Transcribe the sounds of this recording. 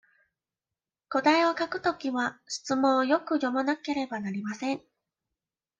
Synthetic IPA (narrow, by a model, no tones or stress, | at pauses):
ko̞d̪aio̞kakɯ̟̥t̪o̞kʲiβaɕi̥t͡sɨmõ̞ɰjo̞kɯ̟jo̞manake̞ɾe̞banaɾʲimasẽ̞ŋ